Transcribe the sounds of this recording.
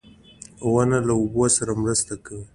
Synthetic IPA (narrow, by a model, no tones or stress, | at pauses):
wanalaubosaɾamɾəst̪akawi